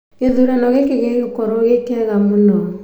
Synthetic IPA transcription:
ɣeðuɾɛnɔɣekeɣeɣekɔɾoɣekɛɣamonɔ

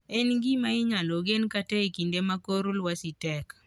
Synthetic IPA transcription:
ɛnɡimaɪɲaloɡenkatekindemakoɾʊlwasitɛk

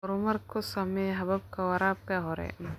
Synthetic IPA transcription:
ɾomɐɾkosameɦɐbɐb̚kawɐɾaːb̚kaɦoɾḛ

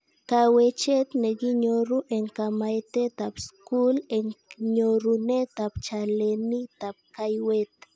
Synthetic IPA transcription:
kawet͡ʃet̪neɡiɲoɾuʔeŋkamajt̪et̪apskuleŋɲoɾunet̪apt͡ʃalenit̪ap̚kajwet̪

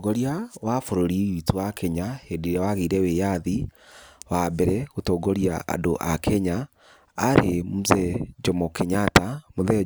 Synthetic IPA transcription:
ɡoɾiawafoɾoɾiituwakɛɲahediɾɛwaɣiɾɛwejaði | wabɛɾɛɣotoɡoɾja̰a̰doʔakʰɛɲaː | ɾemuzɛd͡ʒɔmɔkeɲatamoðɛ

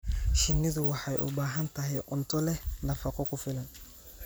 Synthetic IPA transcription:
ʃɪnːɪðʊwɑħɑjʔʊ̰baːɦɐnt̪ʰɐɦɛjʔʊnt̪ʰɔlɛnɐfɐqʰɔkʰʊfɪlɐn

